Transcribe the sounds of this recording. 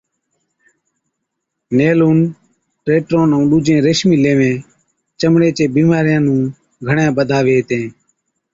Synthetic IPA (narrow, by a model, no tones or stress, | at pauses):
neːloːn | ʈɾeːʈɾõːnəũːɗuːd͡ʒẽːɾeʃmiːleːʋẽː | t͡ʃəmɳeːt͡ʃeːbiːmaːɾɪjãːnũː | ɡʱəɳjãːɓəd̪ʱaːʋeːt̪ẽː